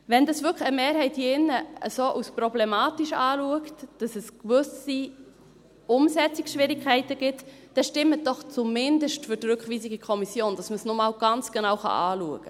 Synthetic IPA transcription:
vɛndɑsvʏkχəmeːɾhɛɪthiɪnːəəsoːʔusprɔblemɑːtiʃɑːluəktd̥ɑsɛskvʏsi | ʊmsɛt͡sikʃvɪɾɪkʰχɛɪtəɡ̥ɪt | d̥ɛʃtɪmət̚d̥ɔχt͡sumɪndəʃtfʏɾdɾɵkχviːsiɡikʰɔmisjoːnd̥ɑsməsnomɑwɡ̥ɑnt͡sɡ̥enɑwχɑ̰ʔɑːluəɡ̥ə

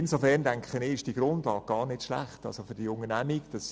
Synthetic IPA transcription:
ɪnsofɛrndæŋkχənɪɪʃd̥iɡ̥ɾʊndlɑːɡ̚ɡ̥ɑːrnɪtʃlæ̰χtɑ̰lsofʏɾd̥iʊŋənæmikd̥ɑs

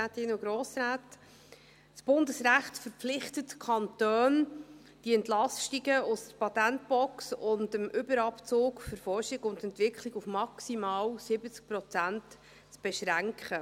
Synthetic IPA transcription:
aːtɪnʊɡɾoːsɾaːt | sb̥ʊndəsræχtfəɾpp͡flɪχtətkʰχɑntøːn | d̥iɛntlɑstiɡəʊsdəpʰɑtænt̚b̥ɔksʊndəmʔʏbəɾɑpt͡soːkfəɾfɔrʃiɡʊntɛntʋɪkχliɡufmɑksimɑːlsɪbət͡sk̚prɔt͡sænt | t͡sb̥ɛʃɾæŋkχə

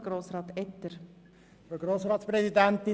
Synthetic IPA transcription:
ɡ̥ɾoːsɾɑːt̪ɛt̪ːəɾ | fəɡroːsrɑːt̪sprɛsidænt̪ɪ

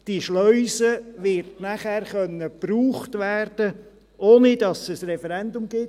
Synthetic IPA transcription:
d̥iʃlœʏsəʋɪɾtnæχɛːrχœnːəpruːχtʋæːrd̥ə | ʔoːnɪdɑsəsrɛfɛɾɛndʊmɡ̥ɪt

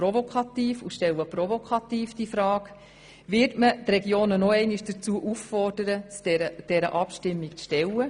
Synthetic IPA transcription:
ɾovokʰɑt̪iːfuʃtɛwəprɔvokʰɑt̪iːfd̥ifɾɑːk | ʋɪɾtmətrɛɡjoːnənɔɛɪnɪʃd̥ət͡suːəʔuffɔrd̥əɾət͡sɛɾəd̥ɛɾə̰ʔɑpʃtɪmːikʃtɛlə

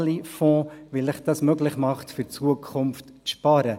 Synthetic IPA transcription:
lifɔ̃ːvɪlɪχd̥ɑsmøɡlɪχmɑχtfyɾt͡suəkʰʊmft | ʃpɑːɾə

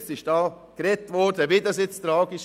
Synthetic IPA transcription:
t͡sɪʃd̥ɑː | kɾɛtʋɔdəʋid̪ɑsɪt͡st̪ɾɑːɡɪʃ

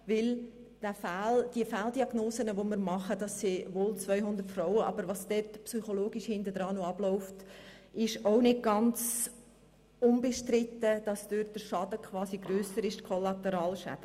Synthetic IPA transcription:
vɪl | d̥æfæːld̥iəfældiɑɡnoːsənəʋoməɾmɑχəd̥ɑsːiʋoːlt͡svœʏɦʊnd̪əɾtfrɔʊəʔɑ̰bəɾʋɑsd̥ɛtpsyχoloːɡiʃhɪndəd̥ɾɑːnoɑb̥lɔʊftʔɪʃoʊnɪt̚ɡ̥ɑnt͡s | ʊnbɛʃtɾɪtːəd̥ɑsd̥øt̚d̥əɾʃɑd̥əkʰvɑːsiɡɾøːsəɾɪʃtkʰolɑtəɾɑːlʃæ̰d̥ə

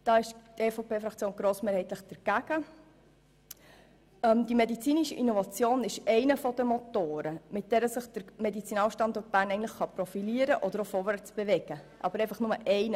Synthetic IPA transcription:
d̥ɑːɪʃtefopeːfɾɑkt͡sjoːnɡɾoːsmeːɾhɛɪt̪ləχd̥əɾɡ̥æɡ̥ə | ɛmdimedit͡siːniʃəʔinɔvɑt͡sjoːnɪʃɛɪnəfɔd̥əmot̪oːɾəmɪt̚d̥ɛːɾəsəχd̥əɾmɛdit͡sinɑːlʃtɑndɔːt̚b̥æːɾnɛɪən̩tləχχɑpɾofiliəɾəʔɔd̪əɾofoːɾʋæɾt͡sb̥evɛɡ̥ə | ʔɑ̰bəɾɛɪfɑχnʊməʔɛɪnə

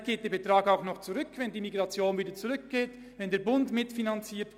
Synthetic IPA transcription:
ɡ̥eːt̚d̥eːɐb̥etʁ̥aːkaʊxnɔχt͡suʁʏkvɛndiːmiɡʁɑt͡sjoːnviːdɐt͡suʁʏk̚ɡ̥eːt | vɛndeːɐbʊntmɪtfinant͡siːt

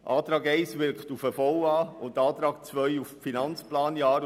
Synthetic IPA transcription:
ʔɑːt̪ɾɑːɡɛɪsʋɪɾkχtufəfɔwɑːʊntɑːt̪ɾɑːk̚t͡svœjuffinɑnt͡splɑːnjɑːɾ

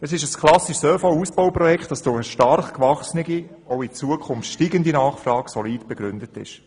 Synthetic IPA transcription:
əsɪʃəskʰlɑsiʃsøːfowuːsb̥owpɾɔjɛktɑsd̥ʊχəʃtɑɾχkʋɑχsniɡi | oʊit͡suəkʰχʊmftʃtiːɡəndinɑːχfrɑːɡ̥sɔliːdb̥ɛɡ̥ɾʏndətɪ̰ʃ

